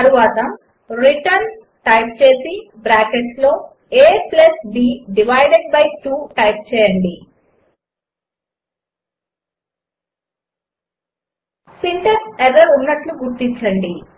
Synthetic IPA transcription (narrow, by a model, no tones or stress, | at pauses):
ɐɾuʋaːt̪ɐ | ɾiʈɐɾn | ʈɐjp̚t͡ʃe̞ːsibɾaːkeʈlo̞ː | eːplɐsbiːɖiʋɐjɖeɖ̚bɐjʈuːʈɐjp̚t͡ʃɛːjɐɳɖi | siɳʈemseʋɐɾunːɐʈluɡuɾt̪iɲt͡ʃːɐɳɖi